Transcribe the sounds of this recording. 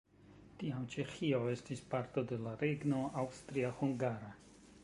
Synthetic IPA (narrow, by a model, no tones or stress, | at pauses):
tiamt͡ʃe̞xio̞e̞stispaɾto̞de̞laɾe̞ɡno̞ʔawstɾiahuŋɡaɾa